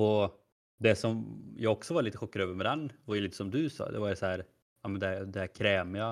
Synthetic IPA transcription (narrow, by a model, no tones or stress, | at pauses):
ɔ | d̪ɛsɔmjɑːɡɔksɔvaɾɭiːt̪əɧɔkːaɾøːvəɾmɛd̪ɛnːvaɾjɵliːt̪əsɔmd̪ɵsɑ̰ːd̪ɛ̰vaɾjsɔhæːɾ | ɑmɛnd̪ɛæd̪ɛhæːɾkʰɾɛːmɪa